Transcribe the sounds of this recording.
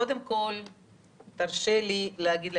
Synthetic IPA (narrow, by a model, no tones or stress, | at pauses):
od̪emko̞l | t̪aʁʃelileaɡid̪l